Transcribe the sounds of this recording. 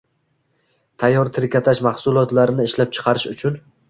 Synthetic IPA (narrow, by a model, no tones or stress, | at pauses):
t̪ʰajːɒɾt̪ʰɪɾkʲʰat̪ʰaʃmahsʊlˠɒt̪laɾɪnɪɪʃlap̚t͡ʃʰɨ̥qʰɑɾɪʃʊt͡ʃʰʊn